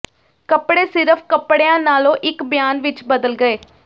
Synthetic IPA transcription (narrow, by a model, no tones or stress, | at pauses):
kəpɽeːsɪɾəpʰkəpɽejãːnaːlõːʔɪkbjaːnʋɪt͡ʃbəd̪əlɡəeː